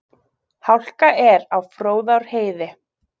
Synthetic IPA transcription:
hawl̥kaʔɛɾawfɾoːwðawɾ̥heːjðɪ

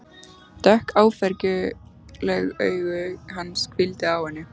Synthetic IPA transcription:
t̪ɛhkaːwfɛɾcʏlɛɣœːɥɣʏɦanːskʰvɪlt̪ɪawhɛnːɪ

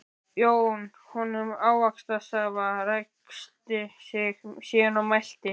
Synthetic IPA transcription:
joːwn | hɔnːʏmaːwakst̪asaːvarakst̪ɪsɛxsjɛːnawmajl̥t̪ɪ

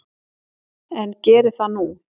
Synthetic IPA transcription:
ɛncɛːɾɪθanu

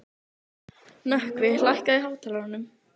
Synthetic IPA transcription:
nahkvɪlajhkaiɦaːwt̪ʰaːlaɾanːʏm

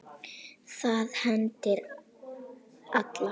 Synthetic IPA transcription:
θaðhɛnt̪ɪɾ | at̪la

